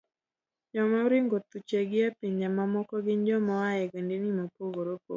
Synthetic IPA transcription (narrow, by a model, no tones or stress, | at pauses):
d͡ʒɔmauɾɪŋɡot̪ut͡ʃɛɡɪapiɲd͡ʒamamɔkɔɡɪnd͡ʒɔmɔajɛɡandenimapoɡoɾopo̰